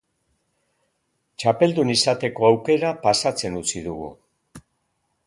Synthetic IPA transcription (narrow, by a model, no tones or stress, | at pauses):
t͡ʃape̞ld̪unisat̪e̞ko̞awke̞ɾapasat͡se̞nut͡siðuɣṵ